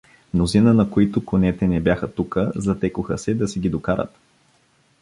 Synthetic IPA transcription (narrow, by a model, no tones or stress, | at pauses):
mnozinənɐkoit̪ʊkonɛt̪ɛnɛbʲjaxət̪ukəzɐt̪ɛkʊxə̰sɛd̪ɐsɛɡʲid̪okaɾə̰t̪